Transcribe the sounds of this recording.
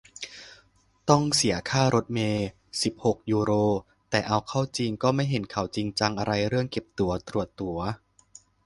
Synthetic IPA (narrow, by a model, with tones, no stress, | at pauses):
t̪ɔ˥˩ŋsi˩˦ɐkʰaː˥˩ɾo˦˥t̪̚meː˧ | si˨˩p̚ho˨˩k̚juː˧ɾoː˧ | t̪ɛː˨˩ʔa˧wkʰa˥˩wt͡ɕi˧ŋkɔː˥˩ma˥˩jɦe˩˦nkʰa˨˩˦wt͡ɕi˧ŋt͡ɕa˧ŋʔa˧ɾa˧jɾɯ˥˩əŋke˨˩p̚t̪u˩˦ɐt̪ɾu˨˩ət̪ːu˨˩˦ɐ